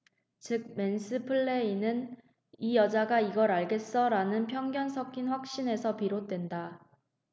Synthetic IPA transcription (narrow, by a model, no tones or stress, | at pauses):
t͡ɕɯk̚me̞nsʰɯpʰɯɭːe̞inɯn | ijʌd͡ʑaɡaiɡʌɾaɭɡe̞s͈ʌɾanɯnpʰjʌŋɡjʌnsʰʌkʰinɸwak̚ɕ͈ine̞sʰʌpiɾot̚t͈we̞nda